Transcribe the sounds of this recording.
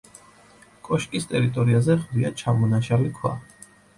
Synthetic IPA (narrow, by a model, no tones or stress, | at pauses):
kʼɔʃkʼist̪ʼɛɾit̪ʼɔɾiazɛʁd̪iat͡ʃʰamɔnaʃalikʰwa̰